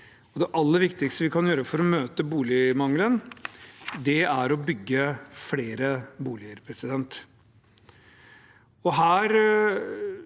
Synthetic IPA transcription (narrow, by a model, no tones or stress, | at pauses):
ɔd̪ɛʔɑlːəɾʋɪkt̪ɪkst̪əʋɪkʰɑnjøːɾəfɔɾɔmøːt̪əbuːlɪmɑŋlən | d̪ɛæɾɔbʏɡːəfleːɾəbuːlɪəɾpʰɾɛsɪd̪ɛnt̪ | ɔɦæːɾ